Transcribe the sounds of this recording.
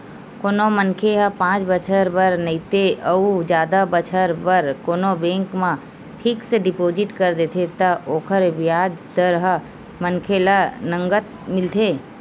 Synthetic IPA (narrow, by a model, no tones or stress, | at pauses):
koːnomənkʰeɦəpãːt͡ʃbət͡ʃʰəɾbəɾnəit̪eəud͡ʒjaːd̪abət͡ʃʰəɾbəɾkoːnobẽːŋkmã | ʈʰɪkseɖɪpoːd͡ʒɪʈkəɾd̪eːt̪ʰet̪əoːkʰəɾʋɪjaːd͡ʒt̪əɾɦə | mənkʰelanə̃ŋɡət̪̚ | mɪlt̪ʰeː